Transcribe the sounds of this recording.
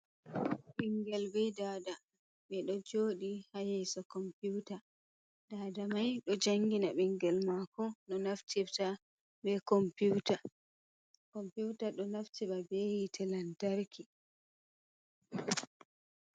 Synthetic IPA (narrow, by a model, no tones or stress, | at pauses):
ɓiŋɡɛlbɛjdaːda | ɓɛɗɔd͡ʒoːɗihajɛsɔkɔmputa | daːdamajɗɔd͡ʒaŋɡinaɓɛŋɡɛlmakɔnɔnaftʰifta | bɛkɔmpuwta | kɔmputaɗɔnaftʰiɓabɛjitʰɛlantaɾkʰi